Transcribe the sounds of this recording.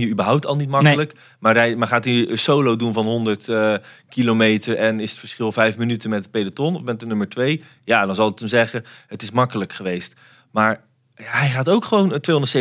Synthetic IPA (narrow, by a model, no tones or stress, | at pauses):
jəybəɹɦʌwp̚tɑlˠnitmɑklək | maːrɛjmaχaːtisowlowdunvɑnɦɔndəɹtːkilomejtəɹʔɛnɪsətfəɹsχɪlˠvɛjfmənytənmɛt̚əpejdatɔnɔfmɛt̚ənɵməɹtʋej | jaːdɑnzɑlˠək̚təmzɛχəɦətɪsmɑkələkχəʋejst | maːɹ | jaɦɛjχaːtowkχəʋowntːʋejɔndətse